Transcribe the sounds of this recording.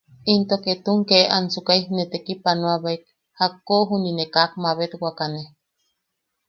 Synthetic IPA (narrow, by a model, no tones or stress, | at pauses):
int̪oket̪uŋkeansukaihnet̪ekipanwaβaik̚ | hakːoɦuninekak̚maβet̪wakane